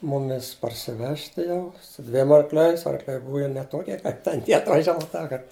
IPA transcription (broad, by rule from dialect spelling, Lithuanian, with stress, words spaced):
ˈmʊmʲɪs pɐrʲsʲɪˈʋʲæːʃʲtʲɪ jɛʊ sʊ ˈdʲʋʲiɛm ɐrkˈlʲɛɪs ɐrkˈlʲɛɪ ˈbʊʋɐ jɛʊ nʲɛ ˈtoːkʲiɛ kɐɪp tʲɛn ˈtʲiɛ ɐtʋɐˈʒʲæːʋɐ ˈtɑːkɐrt